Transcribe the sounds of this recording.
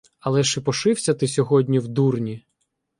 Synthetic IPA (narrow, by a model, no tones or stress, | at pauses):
ɐlˠɛʃɪpɔʃɪwsʲɐt̪ɪsʲɔɦɔdʲnʲiwd̪urnʲi